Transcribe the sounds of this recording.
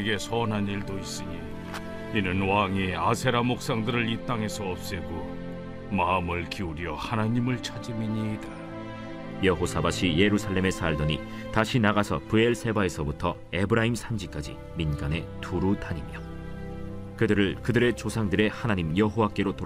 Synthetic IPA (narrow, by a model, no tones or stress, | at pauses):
eɡe̞sʰʌnɦaniɭdois͈ɯɲi | inɯnwaŋiasʰe̞ɾamok̚s͈aŋdɯɾɯɭit͈aŋɦe̞sʰʌːp̚s͈eɡo | maɯmɯɭkiuɾjʌhanaɲimɯɭt͡ɕʰad͡ʑɯmiɲida | jʌɦosʰabaɕʰije̞ɾusʰaɭːe̞me̞sʰaɭdʌɲi | taɕʰinaɣasʰʌpɯe̞ɭsʰe̞bae̞sʰʌbutʰʌ | e̞bɯɾaimsʰamd͡ʑik͈ad͡ʑḭ | minɡane̞tuɾutaɲimjʌ | kɯdɯɾɯɭkɯdɯɾe̞t͡ɕosʰaŋdɯɾe̞hanaɲimjʌɦowak͈e̞ɾoto